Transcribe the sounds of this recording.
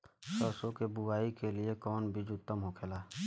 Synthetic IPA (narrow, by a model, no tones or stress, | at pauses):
səːsõkebʊaːikeliekɔːnbʱid͡ʒʊt̪ːəmɦokʰeːlaː